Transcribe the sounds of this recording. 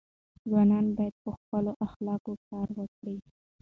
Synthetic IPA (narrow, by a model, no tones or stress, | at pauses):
zwɑnɑnbɑjad̪̚pəxpəloʔaxlɑkokɑɾwəkɽi